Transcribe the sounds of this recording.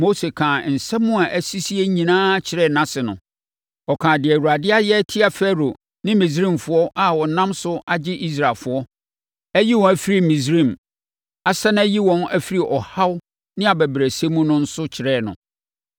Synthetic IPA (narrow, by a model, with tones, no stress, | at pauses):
mo˦se˨kʰãː˨n̩˨sɛ˦mʊ̃˦a˨ʔæ˦˨si˦si˦e˦ɲĩ˨nãː˦t͡ɕʰɪ˨ɾɛ˦˨nã˦sɪ˨nʊ̃˨ | ɔ˨kʰãː˨dɪ˨æ˨wu˨ɾa˨dɪ˦a˦jɛ˦tʰɪ˦a˨fɛ˦ɾo˨ | nɪ̃˦mĩ˨s̬ɾĩ˦˨mfʊ˨˦ɔ˦ʔa˨wɔ̃˨nã˦msʊ˦ʔa˨d͡ʑɪ˦ʔi˦s̬ɾa˨lfʊ˨ɔ˦ | æ˦ji˦wɔ̃˨æ˨˦fi˦ɾi˦mĩ˨s̬ɾĩ˦˨m | a˨˦sɛ˦ñ˦æ˦ji˦wɔ̃˨næ˦fi˦ɾi˦˨ʔɔ˨ha˦w | nɪ̃˦a˨bæ˨bɾæ˨se˦mũ˦nʊ̃˦n̩˦sʊ˦t͡ɕʰɪ˨ɾɛː˦˨nʊ̰̃˨